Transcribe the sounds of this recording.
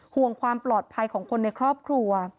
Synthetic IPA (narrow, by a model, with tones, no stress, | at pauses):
hu˨˩əŋkʰwaː˧mplɔː˨˩t̪̚pʰa˧jkʰɔː˩˦ŋkʰo˧nːa˧jkʰɾɔː˥˩p̚kʰɾu˧ɐ